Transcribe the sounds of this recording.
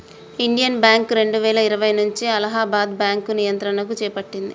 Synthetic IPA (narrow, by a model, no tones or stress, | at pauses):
iɳɖijɐnbjaːŋkɾe̞ɳɖuʋɛːɭɐiɾɐʋɐjnuɲt͡ʃiɐlɐɦaːbaːd̪̚bjaːŋkunijɐnt̪ɾɐnɐk̬ut͡ʃɛːpɐʈːind̪ḭ